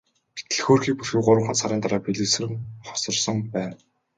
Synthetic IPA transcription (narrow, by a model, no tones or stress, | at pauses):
pi̥t̪ɘ̆ɮxoːrxiːk̚purxikɢʊɾwə̆ɴχə̆nsaɾiːnt̪aɾaːpʰeɮiːsɘ̆rɘ̆ŋχɔ̥sɞ̆rsɞ̆ŋpæːn